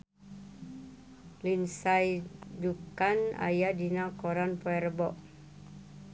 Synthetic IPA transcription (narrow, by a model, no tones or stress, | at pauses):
linsajd͡ʒukana̰jadinakɔɾanpɔɛrbɔʔ